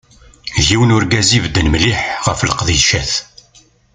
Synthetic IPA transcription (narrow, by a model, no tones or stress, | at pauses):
ʝiwnʊɾɡæzivd̪ːənmliħʁəfləqðiʃæθ